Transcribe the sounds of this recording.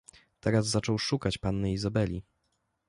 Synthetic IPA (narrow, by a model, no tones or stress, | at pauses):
t̪ɛɾazːat͡ʂɔwʂukat͡ɕpanːɘizabɛlʲi